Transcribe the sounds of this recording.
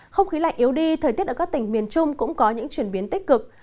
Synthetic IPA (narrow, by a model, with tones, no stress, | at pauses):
xə˧wŋ͡mxi˨˦la̰˧˨ŋ̟ʔi˨˦əwɗi˧t̪ʰəː˨˩t̪i˦˥ət̚ʔəː˧˩kaː˦˥k̚t̪ï˧˩ŋmi˨˩ənt͡ɕʊ˧ŋ͡mkʊ̰˧˥ŋ͡mkɔ˨˦ɲɨ̰˧˥ŋt͡ɕwi˧˩ənɓi˨˦ənt̪i˦˥k̟̚kɨ˨˩k̚